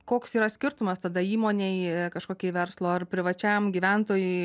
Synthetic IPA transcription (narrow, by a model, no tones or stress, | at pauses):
koːksiːɾɐsʲkʲɪɾt̪ʊmɐst̪ɐd̪ɐiːmoːnʲeɪkɐʃkoːkʲeːɪʋʲɛrslˠoːɐrpʲɾʲɪʋɐt͡ʃʲɛmɡʲiʋʲɛnt̪oːjʊɪ